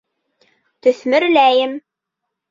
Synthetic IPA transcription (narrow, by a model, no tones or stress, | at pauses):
t̪ɵ̆θmɘ̆ɾlæjɘm